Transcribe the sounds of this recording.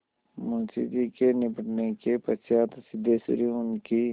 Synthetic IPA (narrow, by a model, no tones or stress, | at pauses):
mʊnsḭd͡ʒikenɪbʱəʈnekepəsjaːt̪sɪd̪ʱːesɾiʊnki